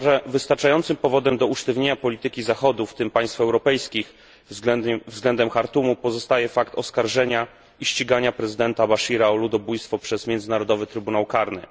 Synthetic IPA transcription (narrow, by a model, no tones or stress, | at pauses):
vɘst̪aɾt͡ʂajɔnt̪sɘmpɔvɔd̪ɛmd̪ɔuʂt̪ɛvɲeɲapɔlʲit̪ɘkʲizaxɔd̪uft̪ɘmpaj̃st̪fɛwɾɔpɛjskʲix | vzɡlɛnd̪ɛmxaɾt̪umupɔzɔst̪ajɛfakt̪ɔskaɾʐɛɲa | iɕt͡ɕiɡaɲapɾɛzɘd̪ɛnt̪abaʂiɾaɔlud̪ɔbujst̪fɔpʂɛzmʲjɛnd̪zɘnaɾɔd̪ɔvɘt̪ɾɘbunawkaɾnɘ̰